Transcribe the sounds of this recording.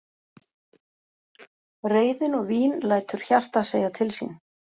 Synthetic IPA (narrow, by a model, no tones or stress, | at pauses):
reːjðɪnɔɣviːnlaːjt̪ʏɾ̥çar̥t̪aseːjat̪ʰɪlsḭn